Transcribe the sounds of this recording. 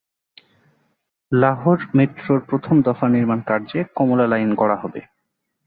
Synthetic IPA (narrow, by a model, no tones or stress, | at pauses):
laɦoɾmit̪ːɾoɾpɾot̪ʰomd̪ɔfaniɾmankaɾd͡ʑekɔmolalajnkɔɽaɦɔbḛ